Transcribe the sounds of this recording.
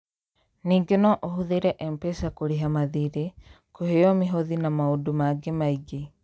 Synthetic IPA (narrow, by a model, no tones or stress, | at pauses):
niːɡenɔʔohuðeɾɛʔɛmpɛsakoɾeɦamaðiɾe | kohejɔmeɦoðinamaodumaɡemaiɡe